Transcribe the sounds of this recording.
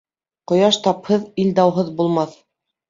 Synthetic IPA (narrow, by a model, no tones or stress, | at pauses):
qŏjɑʃt̪ɑphɤðild̪æwɦɤðbulˠmɑθ